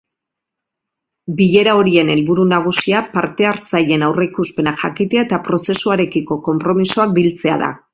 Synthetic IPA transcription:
biʎe̞ɾao̞ɾie̞ne̞lβuɾunaɣ̞usiapaɾt̪e̞aɾt͡saje̞nawre̞kuspe̞naʝakit̪eaet̪apɾo̞se̞suaɾe̞kiko̞ko̞mpɾo̞misoak̚bilt͡se̞a̰ða̰

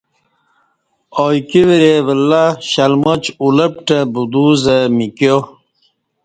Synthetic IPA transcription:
ojkiʋiɾeʋəlːaɕɐlmot͡ɕuləp̚ʈəbud̪uzəmiko

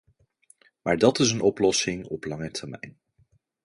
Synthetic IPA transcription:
maːɹdɑtɪsənɔplɔsɪŋɔplɑŋətʰəɹmɛ̰jn

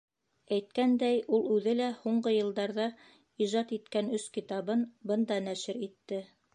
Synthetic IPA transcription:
æjt̪̚kænd̪æjulˠʉðɘlæhuɴɢɤjɤ̆lˠd̪ɑɾðɑ | iʒɑt̪it̪kænɵskit̪ɑβɤnbɤ̆nd̪ɑnæʃɘɾit̪ːɘ

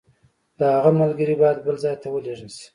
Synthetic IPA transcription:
d̪̥əhaɣamalɡəɾibɑjad̪̚bəlzɑjt̪ʰawəleʐənsi̥

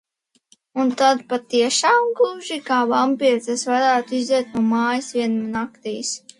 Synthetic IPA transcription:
unt̪ad̪pat̪iɛʃaːmɡuʒikaːvampiɾt̪ɛsvaɾaːt̪uizd̪ɛt̪̚nuɔmaːjisvʲiɛnmnakt̪ijs

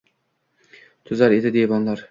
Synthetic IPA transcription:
t̪ʰʊzaɾed̪ɪd̪ebɒnlˠaɾ

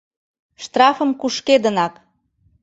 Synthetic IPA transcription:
ʃt̪rɑfə̆mkuʃked̪ənɑk

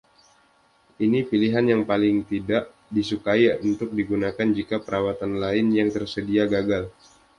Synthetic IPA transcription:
ʔinipiliɦanjaŋpalɪŋt̪idaʔ | disukaiunt̪ʊk̚diɡunakand͡ʒikapəɾawat̪anlaɪnjaŋt̪ərsədiaɡaɡal

